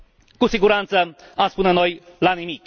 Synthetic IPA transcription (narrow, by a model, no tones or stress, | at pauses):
kusiɡuɾant̪səamspuneno̞jlanimik